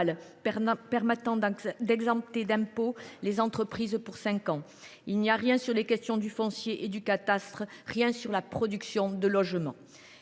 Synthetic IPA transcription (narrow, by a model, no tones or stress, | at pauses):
l | pɛʁmɛt̪ɑ̃d̪ɛɡzɑ̃p̚t̪ed̪ɛ̃polezɑ̃t̪χəpχizpuʁsɛ̃kɑ̃ | ilniaʁjɛ̃syʁlekʲɛst̪jɔ̃d̪yfɔ̃sjeʔed̪ykat̪ast̪χəʁjɛ̃syʁlapχɔd̪yksjɔ̃d̪əlɔʒmɑ̰̃